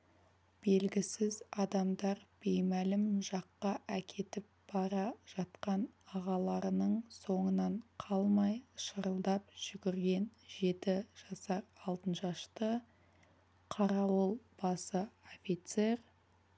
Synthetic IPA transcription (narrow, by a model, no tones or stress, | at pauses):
b̥e̞lɡʲɪsɪzɑd̪ɑmd̪ɑɾb̥e̞jmælɪmʒɑqːɑʔækʲʰe̞t̪ɪp̚b̥ɑɾɑʒ̥ɑt̪qɑnɑʁɑlˠɑɾənəɴso̞ɴənɑɴqʰɑlˠmɑjʃəɾəlˠd̪ɑp̚ʒ̥ʏɡʲɪɾɡʲe̞nʒe̞t̪ɪʒ̥ɑsɑɾɑlˠt̪ənʃɑʃt̪ə | qʰɑɾɑwolˠb̥ɑsəofʲijt̪se̞r